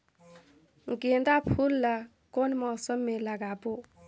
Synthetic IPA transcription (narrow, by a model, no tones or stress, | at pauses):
ŋkentapʰulla | konimɔsɔmɛlakaːpu